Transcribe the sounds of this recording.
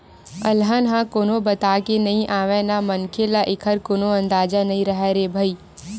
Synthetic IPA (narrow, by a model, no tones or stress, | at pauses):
ɐlɦənɦãkoːnobət̪aːkenɐɦĩʔaːʋẽnamɐnkʰelaʔɪkʰəɾkoːnoɐ̃nd̪aːd͡ʒanɐɦĩɾəɦɛɾebʱəiː